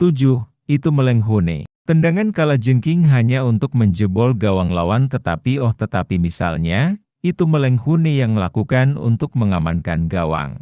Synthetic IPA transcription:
t̪ud͡ʒʊh | it̪uməlɛŋɦunḛt̪əndaŋankalad͡ʒəŋkɪŋɦaɲaunt̪ʊk̚məɲd͡ʒəbɔlɡawaŋlawant̪ət̪apiɔht̪ət̪apimisa̰lɲa | it̪uməlɛŋhunejaŋməlakukanṵnt̪ʊk̚məŋamankanɡawa̰ŋ

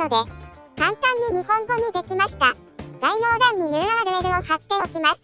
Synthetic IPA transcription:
od̪e̞ | kãnt̪ãɲ̟ːiɲ̟ihõ̞ŋɡo̞ɲ̟id̪e̞kʲimaɕi̥t̪a | ɡ̥aijoːɾãɲ̟ːijɯaɾeːɾɯ̟ohat̪ːe̞okʲimas

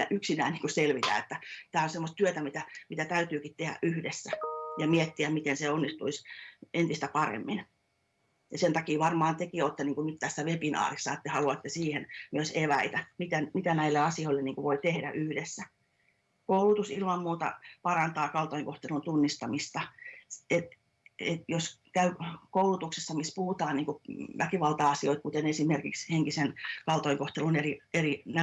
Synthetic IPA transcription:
æ̰ʔyksinæːnniːŋkuselʋit̪æ̰et̪ːæt̪æːonsemːost̪yøt̪æmit̪æmit̪æt̪æyt̪yːkit̪t̪ehæ̰ʔʔyhdesːæjɑmiet̪ːiæmmit̪enseonːist̪uisent̪ist̪æpɑrḛmːin | jɑsent̪ɑkiːʋɑrmɑːnt̪ekiot̪ːeniːŋkunyt̪t̪æsːæʋepinɑ̰ːrisːɑet̪ːehɑluɑt̪ːesiːhenmyøseʋæit̪æmit̪ænmit̪ænæilːeɑsioilːeniːŋkuʋoit̪ehdæ̰ʔyhdesːæ | koulut̪usilmɑmmuːt̪ɑ̰pɑrɑnt̪ɑːkɑlt̪oiŋkoht̪elunt̪unːist̪ɑmist̪ɑet̪ | et̪joskæykoulut̪uksesːɑmispuhut̪ɑːnniːŋkuʋækiʋɑlt̪ɑɑsioit̪̚kut̪enesimerkiksheŋkisenkɑlt̪oiŋkoht̪elunerierinæ

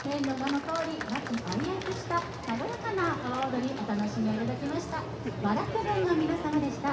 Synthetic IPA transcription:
hẽɾoɡanokoːɾʲimakɯʔaɾʲiakɯɕi̥t̪a | nad̪oɾakanakaod̪o̞ɲ̟ʲiʔo̞t̪anoɕimʲeit̪ad̪akʲimaɕi̥t̪a | maɾakɯb̪ɯ̃ŋɡamʲinasamad̪e̞ɕi̥t̪a

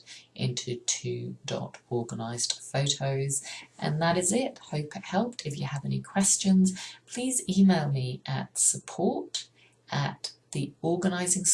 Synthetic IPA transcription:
ʔɛ̰̃ntʰətʰʉdɔ̰ɾɔɹɡənaɪzd̥foʊɾʰoʊzʔɨ̰̃nðəɾɨzɪt̚hoʊpɨt̚hɛlˠp̚tʰɨfjɨːvɛnikʰw̥ɛst͡ʃɨ̃nz̥pʰl̥iːziːmeɪlˠmiʔə̰tsəpʰɔɹt | ʔət̪̚ðiɔːɡənaɪzɪ̃ŋs

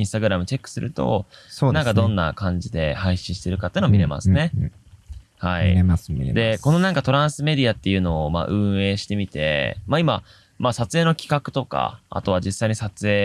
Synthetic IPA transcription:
ĩst̪aɡɯ̟ɾamɯ̟t͡ɕe̞kːɯ̟̥sɨɾʔɯ̟t̪o̞̰nãŋkad̪õ̞nːa̰kãɲ̟d͡ʑid̪e̞̰haiɕĩɕi̥t̪e̞ɾɯ̟kat̪ːeiɯnmiɾe̞ma̰sɨne̞ | haḭd̪e̞ko̞no̞nãŋkat̪o̞ɾãɰ̃sɨme̞d̪ʲiat̪ːe̞jɯ̟no̞ːma̰ːʔɯ̟̃ɰ̃e̞ːɕi̥t̪e̞mʲit̪e̞̰maima | masat͡sɨe̞ːno̞kʲi̥kakɯ̟̥t̪o̞ka̰a̰t̪o̞βad͡ʑisːaiɲ̟isat͡sɨeː

